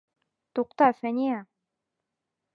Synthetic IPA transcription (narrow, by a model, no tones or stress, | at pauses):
t̪uqt̪ɑfænʲijæ